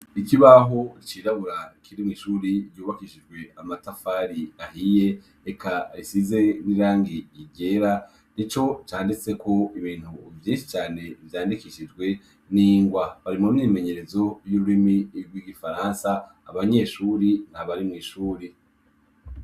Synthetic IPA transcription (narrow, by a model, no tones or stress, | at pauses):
ikiβaɦo̞ɾit͡ʃiɾaβuɾakʰiɾimŋiːʃuːɾiɾjuːβakiʃid͡ʒɡwe̞amatafaːɾiahije̞ | ekʰaɾisize̞niɾaːŋɡiiɟe̞ɾa | nit͡ʃo̞t͡ʃaːndit͡se̞kʰo̞iβiːn̥huvjĩːnʃi̥t͡ʃaːne̞vjaːndikiʃid͡ʒɡwe̞ | niːŋɡwaβaɾimumnime̞ɲe̞ɾe̞zo̞juɾuɾimiɡwiɡifaɾansaː | βaɲe̞ːʃuːɾin̥haβaɾimŋiːʃuːɾi